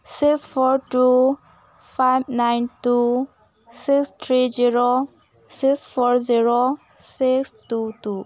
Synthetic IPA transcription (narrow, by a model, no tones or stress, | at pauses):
sɪksfɔɾʈu | faɪb̚naɪntu | sɪkst̪ʰɾid͡ʒiɾo | siksfɔɾziɾo | sɪkstutu